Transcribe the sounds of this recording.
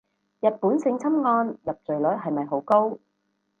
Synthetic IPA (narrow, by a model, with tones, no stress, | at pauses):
jɐ˨t̚puː˨˥nsɪ˧ŋt͡sʰɐ˥mŋɔː˧njɐ˨p̚t͡sɵ˨˩ɥlɵ˨˥ɦɐ˨jmɐ˨jɦo˨˥wko˥w